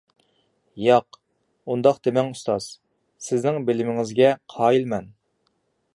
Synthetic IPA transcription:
jɑq | und̪ɑqd̪emɛŋust̪ɑz̥ | sɪznɪŋbɪlɪmɪŋɪzɡʲɛqʰɑːilmɛn

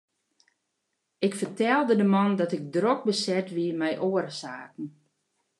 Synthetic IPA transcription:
ɪkfərtɛlˠdədəmɔndɔtɪk̚drok̚bəsɛtʋimɛjʔoərsaːkn̩

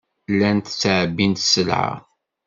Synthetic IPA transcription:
lːænt̪sʕbint̪səlʕa̰

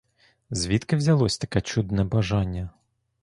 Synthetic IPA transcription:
zʲʋʲit̪kɪwzʲɐlˠɔsʲt̪ɐkɛt͡ʃud̪nɛbɐʒɑnʲːɐ

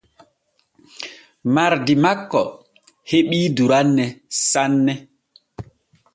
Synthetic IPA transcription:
maɾdimakːɔ | heɓiːduɾanːɛsanːɛ

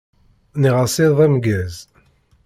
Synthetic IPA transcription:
niʁɑsiɾðˤæmɡæz

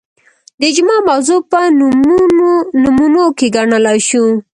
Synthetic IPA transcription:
d̪əd͡ʒʊmɑmawzopən | numunokeɡaɳəlajʃu

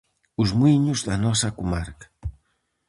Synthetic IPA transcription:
uzmwiɲuzðanɔsakumaɾkḁ

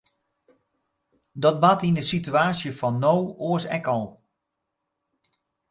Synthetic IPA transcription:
dɔt̚batinəsityaːsjəfɔnːowoəsɛ̰kɔlˠ

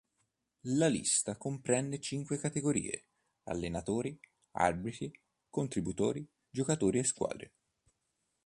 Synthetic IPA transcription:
lalḭst̪akompɾɛnːet͡ʃiŋkwekat̪eɡoɾḭːḛ | a̰lːenat̪oːɾi | a̰rbɾit̪i | kont̪ɾibut̪oːɾi | d͡ʒokat̪oːɾieskwa̰ːd̪ɾe

